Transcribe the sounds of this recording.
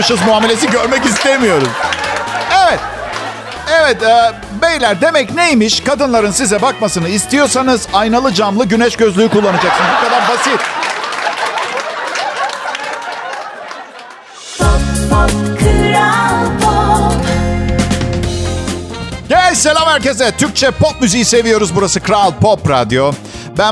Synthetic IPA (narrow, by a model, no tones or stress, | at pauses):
ʃɯzmuaːme̞lʲe̞s̬iɟø̞ɾmɛcist̪emijo̞ɾum | ɛvɛt̪̚ | ɛvɛt̪ɛ | me̞jlʲæɾd̪e̞mɛcnejmiʃkʰad̪ɯnlˠaɾɯnsizɛbakmasɯnɯist̪ijo̞ɾsanɯzajnalˠɯd͡ʒamlˠɯɟynɛʃɟø̞zlʲyjykulˠːanad͡ʒaksɯnɯzbukad̪aɾbasit̪ | kʰɾalpʰɔp | ɟ̥ɛselʲamhæɾcesɛt̪ʰyɾc̚t͡ʃʰɛpʰop̚myzijise̞vijo̞ɾuzbuɾasɯkɾalˠpʰopɾad̪jo̞ | bæ